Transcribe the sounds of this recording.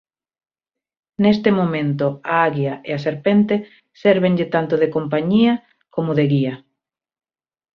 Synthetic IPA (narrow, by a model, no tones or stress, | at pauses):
nest̪emomẽnt̪oaaɣjaʔeaseɾpent̪e | seɾβeŋʎɪt̪ant̪oðekompaɲiɐ | komoðeɣiɐ